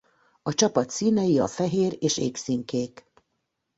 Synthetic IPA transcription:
ɒt͡ʃɒpɒt̪siːnɛjiɒ̰fɛɦeːɾeːʃeːksiŋkeːk

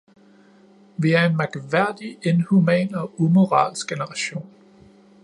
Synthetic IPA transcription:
ʋiæɐe̝nmɑ̈ɡ̥ʋæɐ̰d̥ie̝nhumɛ̰ːnɒ̽umo̝ʁɑ̰̈ːlsɡ̥̚ɡ̥enəʁɑ̈ɕo̝̰ːn

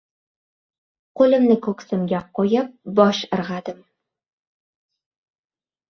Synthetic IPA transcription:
qolɪ̆mnɪkɵksɘmɡʲaqojap̚bɒʃɤ̆ɾʁɑd̪ɪm

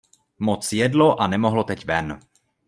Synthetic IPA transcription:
mot͡sjɛdlo̞ʔanɛmo̞ɦlot̪ɛcvɛn

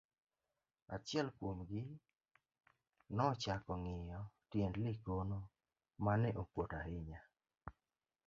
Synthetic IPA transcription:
at͡ʃɛlkwomɡɪ | nɔt͡ʃakɔŋɪjɔtjɛndlɪkono | manɛʔokwotaɦɪɲa

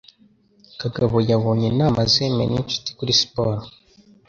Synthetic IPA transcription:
kaɡaβojaβoːɲenaːmazemḛnit͡ʃu̥ti̥kuɾispoːɾo

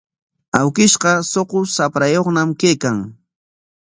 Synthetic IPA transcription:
awkɪʃqɑsoqʊsapɾajoχnamkejkaŋ

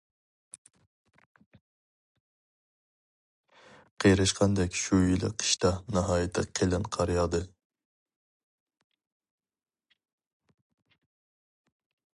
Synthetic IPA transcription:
qʰejɾɨʃqɑnd̪ɛkʲʃujilˠɪ̰qʰi̥ʃt̪ɑnɑɦɑːjɪt̪ʰɪqʰelˠɨnqʰɑɾjɑːd̪ɨ

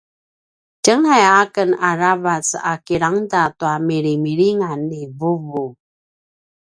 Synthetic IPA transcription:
cəŋajakənaɾavat͡sa̰kiɾaŋdatuamiɾimiɾiŋanivuvu

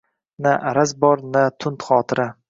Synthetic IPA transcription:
naʔaɾazbɒɾnat̪ʰʊnt̪χɒːt̪ʰɪɾa

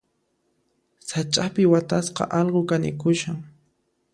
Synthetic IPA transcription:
sat͡ʃʼapɪwat̪asqɑ̰ʔɑlɢokanɪ̰kʊʃaŋ

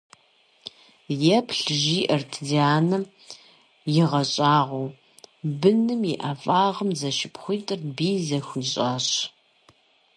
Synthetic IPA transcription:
jɛpʰɬʒiːʔɐrtʰziaːnɐ | jɪʁɐɕʼaːʁʷow | bɨnɨmjɪʔɐfʼaːʁəmzɐʃɪpχʷiːtʼɨrbiːzɐxʷiɕʼaːɕ

